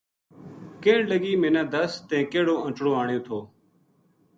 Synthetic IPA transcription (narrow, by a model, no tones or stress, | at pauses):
keːɳləɠiːmẽːnãːd̪əst̪ɛ̃ːkeːɽoːʔə̃t͡ʃɽõːaːɳɪjõːt̪ʰoː